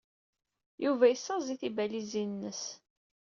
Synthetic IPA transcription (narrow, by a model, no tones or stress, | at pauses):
juvæjəsːɑziθibælizinnːəs